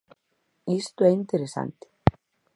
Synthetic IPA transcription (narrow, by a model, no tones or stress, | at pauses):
ist̪uejnt̪ɛɾɛsa̰nt̪ɪ̥